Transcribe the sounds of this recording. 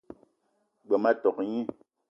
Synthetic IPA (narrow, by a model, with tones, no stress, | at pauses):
ɡ͡bɛ˨ma˦tɔ˨kɲi˦